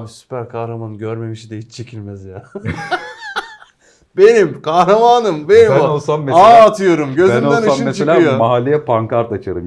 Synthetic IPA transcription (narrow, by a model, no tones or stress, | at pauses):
sy̥pæɾkʰahɾamanɯɟøɾme̞miʃid̪ɛɦit͡ʃt͡ʃʰe̞cʰilʲmɛzjaː | be̞nimkʰahɾamaːnɯmbe̞nimolˠsammeaːt̪ʰɯjo̞ɾumɟø̞zmolænˠsamːet͡ʃsʰelʲaːjomaɦalʲejɛpʰaŋkʰaɾt̪at͡ʃʰaɾɯ